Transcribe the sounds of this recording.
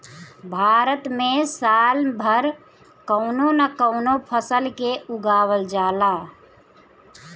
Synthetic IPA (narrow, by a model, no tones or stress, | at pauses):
bʱaːɾət̪mẽsalbʱəɾ | kəʊnonəkəʊnopʰəsəlkeuɡaːwəld͡ʒala